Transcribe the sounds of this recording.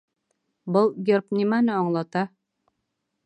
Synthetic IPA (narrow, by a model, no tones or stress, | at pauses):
bɤlˠɡʲerpnʲimænɘɒɴlˠɑt̪ɑ